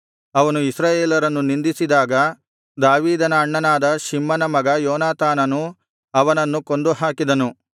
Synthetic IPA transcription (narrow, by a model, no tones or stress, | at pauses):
ɐʋɐnuisɾaːjeːlɐɾɐnːunind̪isid̪aːɡɐ | d̪aːʋiːd̪ɐnɐːɳːɐnaːd̪ɐʃimːɐnɐmɐɡɐjɔːnaːt̪ʰaːnɐnu | ɐʋɐnɐnːukond̪uɦaːkid̪ɐnu